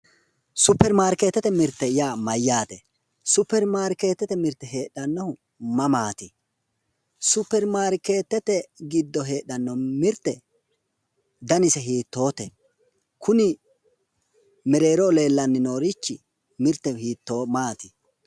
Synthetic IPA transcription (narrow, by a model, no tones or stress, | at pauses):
sʊpːɛɾmaːɾket̪ːɛt̪ːɛmɪɾt̪ːɛjaːmɐjːaːt̪ɛ | sʊpːɛɾmaːɾke̞ːt̪ːɛt̪ɛmɪɾt̪ːɛɦe̞ːɗɐnːɐhʊ | mɐmaːt̪ɪ | sʊpːɛɾmaːɾke̞ːt̪ːɛt̪ɛɡɪd̪ːɔɦe̞ːɗɐnːɔmɪɾt̪ːɛ | d̪ɐnɪsɛɦiːt̪ːo̞ːt̪ɛ | kʊnɪ | mɛɾe̞ːɾoːle̞ːlːɐnːɪno̞ːɾit͡ʃːɪ | mɪɾt̪ːɛhiːt̪ːoːmaːt̪ɪ